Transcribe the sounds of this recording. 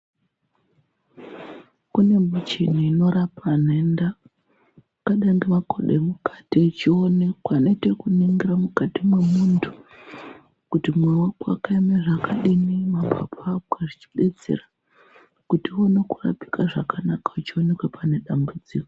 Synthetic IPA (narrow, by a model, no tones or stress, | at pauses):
kune̞mut͡ʃin̤iino̞ɾapan̤enda | kaɗaŋɡemakoɗemukḁtiut͡ʃionekwano̞itekuniŋɡiɾamukatimwe̞muntʰu̥ | kutimwewaka̰kaimaʐakaɗinimapʰa̰pʰakaʐit͡ʃi̥ɓe̞t͡sḛra | kutio̞nekura̰pi̥kaʐakanakaut͡ʃio̞ne̞kwepʰane̞ɗambud͡ziːko